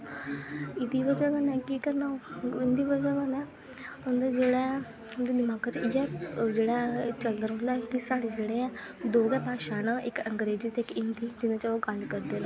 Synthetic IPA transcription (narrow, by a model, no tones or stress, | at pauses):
ɪd̪iːʋəd͡ʒaɡənɛːkiːkəɾnaːɪnd̪iːʋəd͡ʒaːɡənɛː | ɦʊ̃nd̪aːd͡ʒeːɽã | ʊnd̪ed̪ɪmaːkat͡ʃɪjad͡ʒeːɽaːt͡ʃəld̪əɾɦʊ̃nd̪aɛkɪsaːɽed͡ʒeːɽeːɛ̃ː | d̪oːɡɛːpaːʃaːnãːʔɪkəŋɡɾeːd͡ʒiːt̪eɪkɪnd̪iːd͡ʒɪnẽːt͡ʃoːkəlkəɾd̪eːnãː